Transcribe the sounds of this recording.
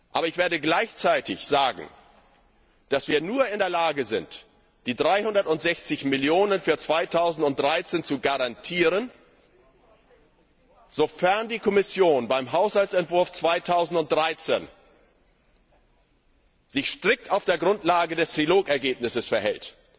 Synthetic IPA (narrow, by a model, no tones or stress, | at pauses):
ʔa̰ːbɐɪçv̥eːɐɾəɡlaɪçt͡saɪtɪ̰çz̥aːɡŋ̩ | d̥asv̥iːɐnuːɐɪndeːɐlaːɡəzɪ̰nt | d̥iːdʁaɪhʊndɐtʊntz̥ɛçt͡sɪçmɪljoːnənfyːɐt͡sv̥aɪtʰaʊzn̩tʊntd̥ʁaɪt͡seːnt͡suɡaʁantʰiːʁən | z̥ofɛɐndiːkʰɔmɪsjoːnbaɪmɦaʊshalt͡sɛntv̥ʊɐft͡sv̥aɪtʰaʊzn̩tʊnt̚d̥ʁaɪt͡seːn | z̥ɪçʃtʁ̥ɪk̚taʊfd̥eːɐɡʁʊntlaːɡədɛstʁ̥iloːkɛɐɡeːpnɪsəsfɛɐɦɛ̰lt